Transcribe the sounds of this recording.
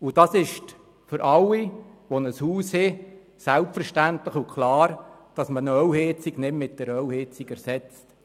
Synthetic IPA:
ud̥ɑsɪʃt | fʏɾʔɑwːiʋɔnəshuːshɪ | sælpfəɾʃtæntləχukχlɑːɾd̥ɑsmənœwhɪt͡siɡnɪmmɪt̚d̥əɾœwhɪt͡siɡɛɾsɛt͡st

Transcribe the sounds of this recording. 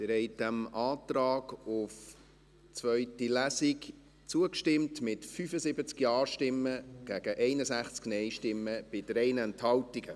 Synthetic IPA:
mɪɾhɛɪdæmʔɑːt̪ɾɑːɡʊf | t͡svœʏtilæsik | t͡suəkʃtɪmtmɪtfyfəsɪbət͡skjɑːɾʃtɪmːəɡ̥æɡ̥əʔɛɪnəsæχt͡sknɛɪʃtɪmːəb̥ɪdɾɛɪnɛnthɑltiɡ̥ə

